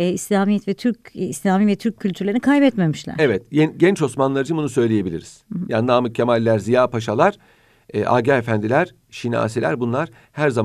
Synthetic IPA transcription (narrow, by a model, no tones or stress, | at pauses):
islʲaːmijɛt̪vɛt̪ʰyɾcislʲaːmivɛt̪ʰyɾcʰːylʲt̪ʰyɾlʲeɾinikʰajbɛt̪memiʃlʲæ̰ɾevɛt̪jɛnɟɛnt͡ʃo̞smanlˠaɾɯd͡ʒɯbunusø̞jlʲeje̞bilʲḭɾiz̥jannaːmɯcʰːemalʲːæɾzijaːpaʃalˠaɾ̥ | ɛʔa̰ːɟaefænd̪ilʲæɾ̥ | ʃina̰ːselʲæ̰ɾbunlˠaɾ̥ | hæɾzam